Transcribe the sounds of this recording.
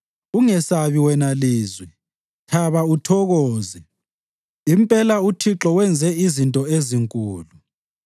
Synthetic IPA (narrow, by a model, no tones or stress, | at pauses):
uŋɛsaβiwɛnaliːzwɛ | tʰaβautʰɔɣɔːzɛ | impʼɛlautʰiǁɔwɛnd͡zʱɛizintʼɔeziŋkʼuːlu